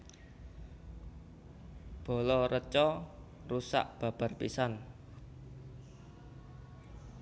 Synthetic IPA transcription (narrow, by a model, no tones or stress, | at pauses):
b̥o̤lɔɾət͡ʃɔ | rusa̰ʔb̥a̤b̥a̤rpisan